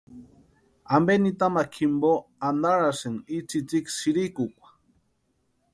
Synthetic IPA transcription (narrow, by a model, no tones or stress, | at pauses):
ambenit̪amakʰimboand̪aɾaseŋit͡sit͡siksiɾikukʷḁ